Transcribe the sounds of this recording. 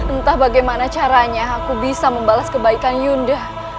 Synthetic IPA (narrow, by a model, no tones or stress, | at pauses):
ənt̪ahbaɡajmanat͡ʃaɾaɲaːkubisaməmbalaskəbaikanjundəh